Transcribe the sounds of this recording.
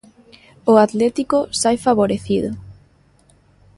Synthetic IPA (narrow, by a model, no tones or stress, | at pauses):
ʊat̪lɛt̪ikosajfaβoɾeθiðʊ